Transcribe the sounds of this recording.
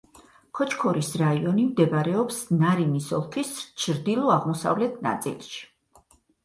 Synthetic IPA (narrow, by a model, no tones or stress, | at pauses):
kʰɔt͡ʃʰkʰɔɾisɾaiɔnimd̪ɛbaɾɛɔpsnaɾinisɔ̰lˠkʰist͡ʃʰɾd̪ilˠɔaʁmɔsa̰vlɛt̪ʰna̰t̪sʼḭlˠʃi̥